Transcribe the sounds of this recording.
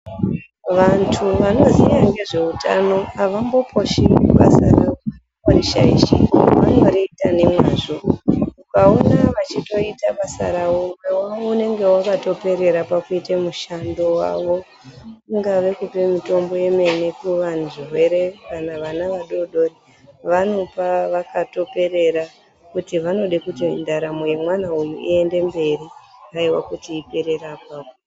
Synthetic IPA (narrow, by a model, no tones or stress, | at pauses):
ʋantʰuʋano̞zijaŋɡe̞ʐe̞uta̰no̞aʋambo̞pʰo̞ʃiuɓa̰sarao | kaɾiʃa̰ḭʃḭʋa̰ŋɡaaɾiitane̞mwaːʐoukaonaʋat͡ʃito̞itaɓasa̰ɾaomwe̞waune̞ŋɡe̞wakato̞pe̞ɾe̞ɾapakuitemuʃandowa̰ʋo̞ | uŋɡaʋe̞kupe̞mito̞mbo̞je̞me̞ne̞kuʋanʐiwe̞ɾe̞ʋanaʋanaʋaɗo̞ɗoɾi | ʋano̞paʋakato̞pe̞ɾe̞ɾa | kutiʋano̞ɗekutindaɾamoje̞mwanaujṵʔie̞nde̞mbe̞ɾiaiwa̰kutiːpe̞ɾe̞rapaːo